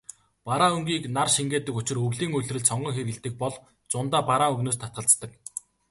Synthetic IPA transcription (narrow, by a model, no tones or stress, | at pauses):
paɾaːɵŋɡiːknarʃiŋɡeːt̪ɘ̆kʊt͡ɕɪ̆rɵɣɮiːŋɵɮrɘ̆ɮsɔɴɢɞ̆ŋxeɾɣɘ̆ɮt̪ɘ̆k̚pɔɮ | t͡sʊnt̪aːpaɾaːŋɵɣnoːs̬t̪ʰat̪̚ɢə̆ɬt͡st̪ə̆k